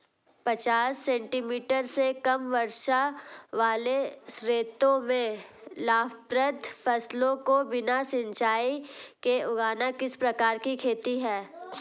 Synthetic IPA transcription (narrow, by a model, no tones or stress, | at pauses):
pɐt͡ʃaːsːɛ̃ːɳʈimiːʈəɾsekɐmʋɐɾʃaʋaːlesɾeːt̪õmẽlaːfpɾət̪fʰɐslõkobɪnasɪ̃ɲt͡ʃaːikeʊɡaːnakɪspɾɐkaːɾkikʰeːt̪iɦɛː